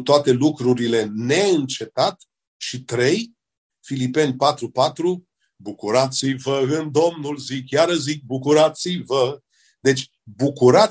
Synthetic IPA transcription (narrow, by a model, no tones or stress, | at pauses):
t̪oat̪e̞lukɾuɾile̞ne̞ɨnt͡ʃe̞t̪at̪ | ʃit̪ɾe̞j | filipe̞nʲpat̪ɾupat̪ɾu | bukuɾat̪sijvəɨnd̪o̞mnulzikjaɾəzik̚bukuɾat̪sivə | d̪e̞t͡ʃʲ | bukuɾa